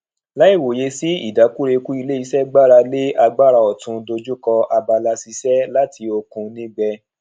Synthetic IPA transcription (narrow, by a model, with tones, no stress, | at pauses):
la˨˦i˦˨wo˨je˨˧si˦ḭ˦˨da˨˦ku˦ɾe˧ku˦i˧le˦i˧sɛ˦ɡ͡ba˦˨ɾa˧le˦ʔa˧ɡ͡ba˦˨ɾa˧ɔ˨tũ˧do˧d͡ʒu˦kɔ˧a˧ba˧la˧si˧sɛ˦la˦tʰi˧o˧kũ˧nĩ˦ɡ͡bɛ˧